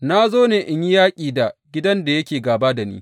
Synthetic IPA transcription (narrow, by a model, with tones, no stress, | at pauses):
na˦zoː˦neː˨ʔɪ˨ɲji˦jaː˦kʲʼiː˨da˨ɡʲɪ˦dɐ˦nda˨jɐ˦kʲeː˨ɡaː˨ba˦da˨nḭː˦